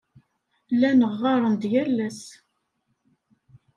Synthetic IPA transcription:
lænəʁːɑɾˤənd̪jælːæs

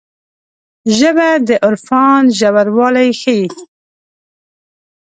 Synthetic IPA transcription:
ʒəbad̪əʔʊɾfɑnʒawaɾwɑlajxəji

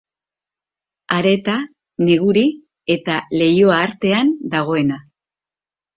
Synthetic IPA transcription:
aɾe̞t̪a | ne̞ɣuɾi | e̞t̪ale̞jo̞aːɾt̪e̞and̪aɣ̞o̞e̞na

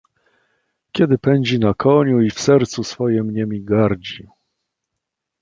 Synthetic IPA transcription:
kʲɛd̪ɘpɛɲd͡ʑinakɔɲuifsɛɾt̪susfɔjɛmɲɛmʲiɡaɾd͡ʑi

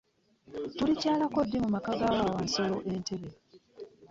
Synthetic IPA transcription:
tulicaːlako̞dːimumakaɡaːwaːwansolo̞ʔe̞nte̞βe

